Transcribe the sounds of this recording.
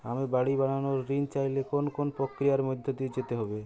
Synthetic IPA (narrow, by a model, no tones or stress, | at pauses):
amebaɽibaɽ̃anoɾːint͡ʃajlekonkonpɾokɾijaɾmod̪ʱjot̪id͡ʑet̪eɦɔbe